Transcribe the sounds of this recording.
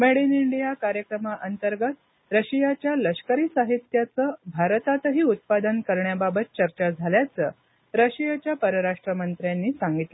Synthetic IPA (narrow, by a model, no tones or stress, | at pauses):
meɽiniɳɖijakaɾjəkɾəmaʔənt̪əɾɡət̪̚ | ɾəɕijat͡ɕjaləɕkəɾiːsaɦit̪jat͡səːbʱaɾt̪at̪əɦiːut̪̚pad̪ənkəɾɳjababət̪̚t͡ɕəɾt͡ɕad͡zʱaljat͡səː | ɾəɕijat͡ɕjapəɾəɾaʂʈɾəmənt̪ɾjanːiːsaŋɡit̪lə